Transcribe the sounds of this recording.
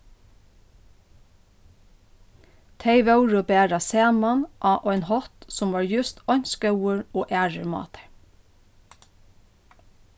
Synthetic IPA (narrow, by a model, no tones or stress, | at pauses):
t̪ʰeɪʋɑʉɹəbæːɹɑseːnmɑnʔɑːʔœʏnhɔt̪sʊmʋɑːɹjʉst̪ɔɲskɑʊəɹoːʔæːɹəɹmɑ̰ːt̪ʰə̥ɹ